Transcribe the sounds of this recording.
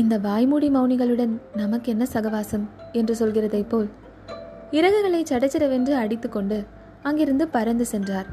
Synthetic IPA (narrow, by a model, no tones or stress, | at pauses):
ɪnd̪ɐʋaːjmuːɽimɐʊnɪɣɐɭɯɽɐnnɐmɐkːɯɛnːɐsɐɣɐʋaːsɐmɛndrɯsɔlɣɪrɐðɐɪpːoːl | ɪɾɐɣɐɣɐɭɐɪt͡ʃːɐɽɐt͡ʃːɐɾɐʋendrɯɐɽɪt̪ːɯkːɔɳɖɯ | ɐŋɡɪɾɯnd̪ɯpɐɾɐnd̪ɯsɛndraːɾ